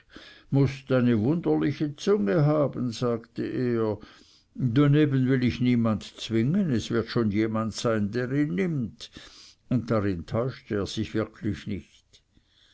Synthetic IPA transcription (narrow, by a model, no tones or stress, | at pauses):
mʊstaɪnəvʊndɐlɪçət͡sʊŋəɦaːbənzaːktəʔeːɐ | daneːbənvɪlɪçniːmantt͡sv̥ɪŋənɛsv̥ɪɐtʃoːnjeːmantsaɪndeːʁiːnːɪmt | ʊnt̚d̥aʁɪntʰɔʏʃtəeːɐz̥ɪçv̥ɪɐkʰlɪçnɪçt